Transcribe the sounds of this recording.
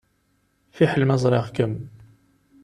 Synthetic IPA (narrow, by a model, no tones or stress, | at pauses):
fiħlməzˤɾˤɑʁkəm